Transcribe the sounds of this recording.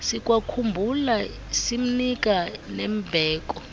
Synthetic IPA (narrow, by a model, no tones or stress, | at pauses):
sikʼwakʰumbʱula | sim̩nik̬ʼanem̩bʱɛːk̬ʼɔ